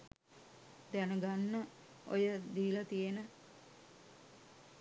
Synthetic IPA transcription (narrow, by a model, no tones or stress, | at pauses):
d̪ænəɡanːə | o̰jəd̪iːlat̪ijenə